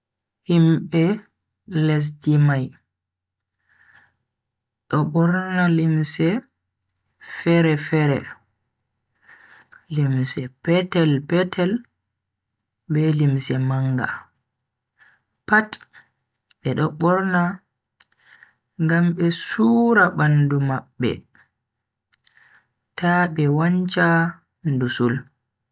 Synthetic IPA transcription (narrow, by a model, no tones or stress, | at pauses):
himɓɛ | lɛs̬dimaj | ɗɔɓɔɾnalimsɛ | fɛɾɛfɛɾɛ̰ | limsɛpɛtɛlpɛtʰɛl | bɛlimsɛmaŋɡa̰ | pat | ɓɛɗɔɓɔɾna | ŋɡamɓɛsuːɾabandumaɓːɛ̰ | taɓɛwaɲt͡ʃa | ndusul